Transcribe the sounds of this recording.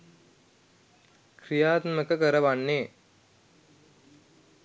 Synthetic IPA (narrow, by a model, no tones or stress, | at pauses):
kɾijaːt̪mɐkɐkəɾɐʋaɳːeː